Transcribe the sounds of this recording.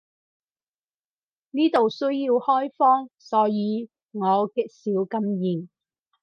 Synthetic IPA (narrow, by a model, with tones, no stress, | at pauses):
niː˥t̪o˨wsɵ˥ɥji˧whɔː˥jfɔː˥ŋsɔː˨˥jiː˨˧ | ŋɔː˨˧kɪ˨˧k̚siː˨˥wkɐ˥mjiː˨ŋ